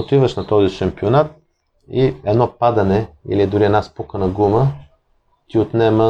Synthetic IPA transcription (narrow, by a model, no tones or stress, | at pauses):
ot̪ivəʃnɐt̪ɔziʃɐmpionat̪̚ | iɛd̪nɔpad̪ɐnɛḭliɛd̪ʊɾiɛdnaspukənɐɡumə | t̪iot̪nɛmə